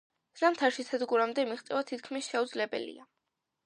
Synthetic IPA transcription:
z̥amt̪ʰaɾʃisʰɛd̪ɡuɾamd̪ɛmiχt̪sʼɛvat̪ʰit̪̚ʰkʰmisʃɛud̪zlɛbɛ̰lḭa

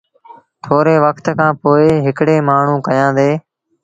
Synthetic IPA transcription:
t̪ʰoːɾeːʋəkʰt̪kʰãːpoːeːɦɪkɽeːmaːɳ̤ũːkəjãːd̪eː

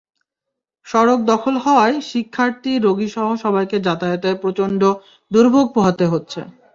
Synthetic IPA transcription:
ʃɔɾok̚d̪ɔkʰolɦɔoaeʃikʰːaɾt̪iɾoɡiʃɔɦoʃɔbajked͡ʑat̪ajot̪apɾot͡ɕonɖo | d̪uɾbʱoɡ̚poɦat̪eɦotːɕʰḛ

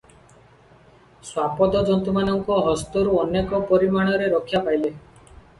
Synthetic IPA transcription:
swapɔd̪ɔd͡ʒɔnt̪umanɔŋkɔɦɔst̪ɔɾuɔnekɔpɔɾimaɽ̃ɔɾeɾɔkʰːjapajle

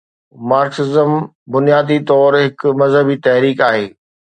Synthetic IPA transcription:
maːɾksɪzəm | bʊnijaːd̪it̪ɔːɾɦɪkmɐzɦəbit̪ɐɦɾiːkaːɦeː

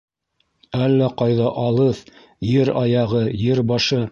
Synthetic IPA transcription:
ælːæqɑjðɑʔɑlˠɤθ | jɘɾɑjɑʁɤjɘɾbɑʃɤ

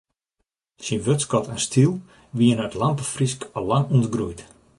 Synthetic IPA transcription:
sinʋøtskɔtʰanstʰilˠ | ʋiənœtlampəfriskɔlːaŋuntɡrujt

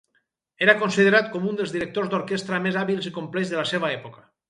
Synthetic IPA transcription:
eɾakonsiðeɾat̪̚kɔmund̪elzðiɾek̚t̪ozd̪oɾkest̪ɾəmezaβilˠzikomplɛzðəlaseβaɛpoka

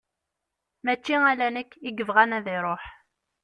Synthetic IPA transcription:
mæt͡ʃːiælænəkːiɡəvʁænæðɪɾˤoħ

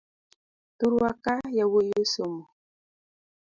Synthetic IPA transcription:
tuɾwakajawojosomo

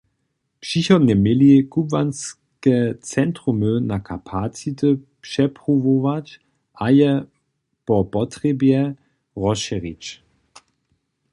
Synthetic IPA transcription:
pʃiçɔnəmɪlikubvans | kət͡sɛntʁumønakʰapʰat͡sitəpʃɛpʁuvovat͡ʃ | ʔajə | pɔpɔtʁ̥ebjɛ | ʁɔʃɛʁit͡ʃ

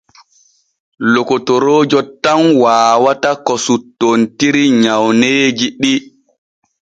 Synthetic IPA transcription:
lokotoɾoːd͡ʒɔtamwaːwatakɔsutːontiɾiɲawneːd͡ʒiɗi

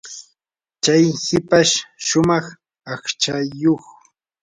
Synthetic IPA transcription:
t͡ʃajhɪpaʃʃʊmɑχ | ɑχt͡ʃajoχ

